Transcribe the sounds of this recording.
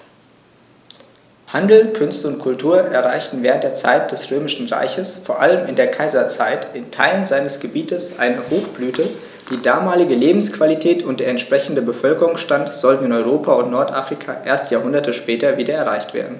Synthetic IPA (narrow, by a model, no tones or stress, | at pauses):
handl̩kʰʏnstəʊntkʰʊltʰuːɐʔɛɐʁaɪçtn̩vɛːʁ̞ənt̚d̥eːɐt͡sa̰ɪt̚d̥ɛsʁøːmɪʃn̩ʁa̰ɪçəsfoːɐʔaləmɪndeːɐkʰaɪzɐt͡saɪtɪntʰa̰ɪlənzaɪnəsɡ̥əbiːtəsʔa̰ɪnəhoːxb̥lyːtʰə | d̥iːdaːmaːlɪɡəleːbm̩skv̥alitʰɛːtʰʊnt̚d̥eːɐɛntʃpʁ̥ɛçn̩dəbəfœlkəʁʊŋsʃtantz̥ɔltn̩ɪnɔʏʁoːpʰaʊntnɔɐtʔaːfʁ̥ikʰa̰ːʔeːɐstjaːɦʊndɐtʰəʃpɛːtɐviːdɐɛɐʁaɪçtv̥ḛːɐdn̩